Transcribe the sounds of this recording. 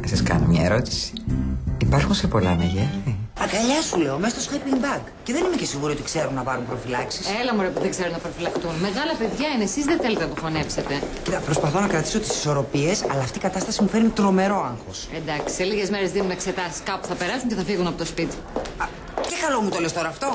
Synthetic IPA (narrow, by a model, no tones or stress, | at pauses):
ɐsɐskɐ̰nomɲɐ̰eɾo̞t̪i̥si̥ipɐɾxunsepo̞lɐ̰meʝeiɐkɐʎɐsule̞omest̪osxapiŋbɐɡ | ce̞ðe̞nime̞cesiŋɣuɾiot̪ikse̞ɾunnɐpɐɾumpɾo̞filɐksiselɐmoɾepuðeɡzeɾunɐpɾofilɐkt̪unme̞ɣɐlɐpe̞ðʝɐinesizðeθelt̪enɐt̪ofonepset̪e | it̪pɾo̞spɐθo̞nɐkɾɐt̪i̥so̞t̪i̥si̥so̞ɾo̞pie̞sɐ̰lɐːft̪ikɐt̪ɐst̪ɐsimufeɾnit̪ɾo̞me̞ɾo̞ɐŋxo̞send̪ɐksi̥se̞liʝezmeɾezðinunekse̞t̪ɐsi̥skɐpu̥θɐpe̞ɾɐsunceθɐfiɣunɐpot̪ospit̪ | cekɐlo̞mut̪o̞le̞st̪o̞ɾɐːft̪o̞